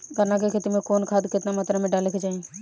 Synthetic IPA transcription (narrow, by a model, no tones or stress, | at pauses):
ɡəɾnakekʰet̪imẽkoːnkʰaːd̪kɪt̪namat̪ɾamẽɖaːleked͡ʒaːĩ